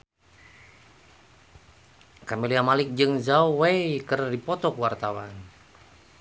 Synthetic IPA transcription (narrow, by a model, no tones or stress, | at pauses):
kamiliamalɪk̚d͡ʒɨŋzauwekərdipɔt̪ɔkwart̪awan